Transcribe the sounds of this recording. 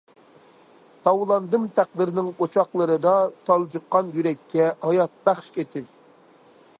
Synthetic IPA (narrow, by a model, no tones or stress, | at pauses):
t̪ʰɑwlˠɑnd̪ɨmt̪ʰæq̚d̪ɨɾnɪŋot͡ʃʰɑχlˠəɾɨd̪ɑt̪ʰɑlˠd͡ʒɨqːɑnjyɾɛkʲʰːɛhɑjɑt̪̚bæχʃet̪ʰɪp